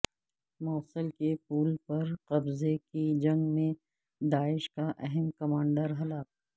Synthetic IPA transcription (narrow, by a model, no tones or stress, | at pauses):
mɔːsəlkepuːlpɐɾqɐbzekid͡ʒɐ̃ŋɡmẽ | d̪aːɪʃkaʔɛɦɛmkɐmãːɳɖəɾɦɐlaːk̚